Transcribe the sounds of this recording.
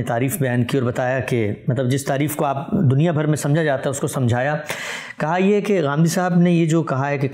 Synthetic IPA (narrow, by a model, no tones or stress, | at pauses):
et̪aːɾiːfbɐjaːnkiɔːɾbɐt̪aːjakemɐt̪ləbd͡ʒɪst̪aːɾiːfkoaːpd̪ʊnijabʱɐɾmẽsɐ̃md͡ʒʱad͡ʒaːt̪aɦɛʊskosɐ̃md͡ʒʱaːja | kɐɦajeɦɛkeɣãːmd̪isaɦəbnejed͡ʒoːkɐɦaɦɛkek